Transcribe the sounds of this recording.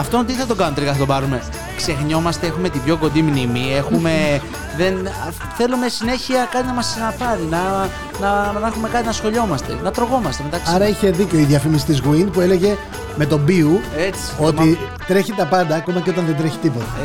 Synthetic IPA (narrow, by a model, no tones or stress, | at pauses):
ɐft̪ont̪iθɐt̪o̞ɡɐnot̪elikɐθɐt̪obɐɾume̞ | kse̞xɲo̞mɐst̪e̞exume̞t̪ibʝo̞ko̞nd̪imnimie̞xume̞ | ðen | θe̞lume̞sine̞çiɐkɐt̪inɐmɐsɐnɐpɐɾinɐ | nɐnexume̞kɐt̪inɐsxo̞ʎo̞mɐst̪e̞̰nɐt̪ɾo̞ɣo̞mɐst̪e̞me̞t̪ɐksɐɾɐiçe̞ðiceoiðjɐfimis̬i̥t̪izɣwinpue̞leʝe̞ | me̞t̪o̞biuet͡si̥o̞t̪i | t̪ɾe̞çit̪ɐpɐnd̪ɐːko̞mɐceo̞t̪̬ɐnðend̪ɾeçi̥t̪ipo̞t̪ɐ